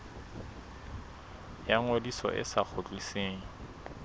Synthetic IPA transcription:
jaŋodisɔ̰ʔɪ̰sak͡xʰʊt͡ɬʼiseːŋ̩

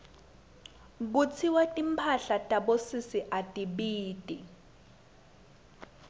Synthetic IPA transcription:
ɓut͡sʰiwatʼimpʰaɬatʼaɓosisiʔatʼiɓiːtʼi

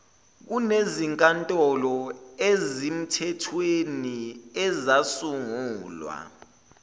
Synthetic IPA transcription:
k̬uneziŋkʼantʼɔlɔezim̩tʰɛtʰweniɛzasuŋuːlwa̰

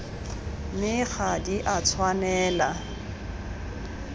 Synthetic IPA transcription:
mɪk͡xadiʔat͡sʰwanɛːla

